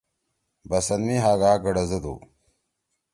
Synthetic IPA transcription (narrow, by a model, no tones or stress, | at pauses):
bɐsɐnmiɦaːɡaːɡɐɽɐzɐd̪ṵ